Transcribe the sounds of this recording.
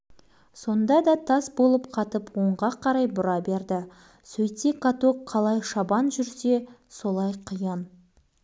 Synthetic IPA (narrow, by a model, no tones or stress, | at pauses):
so̞nd̪ɑd̪ɑt̪ʰɑsbo̞lˠəpqʰɑt̪əpwo̞ɴʁɑqʰɑɾɑjbʊɾɑbe̞ɾd̪ɪ | sɵjt̪ekat̪oqqʰɑlˠɑjʃɑbɑnʒʏɾse̞so̞lˠɑjqʰəjɑn